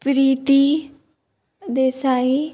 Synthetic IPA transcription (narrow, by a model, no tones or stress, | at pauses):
pɾiːt̪iː | d̪eːsaːɦiː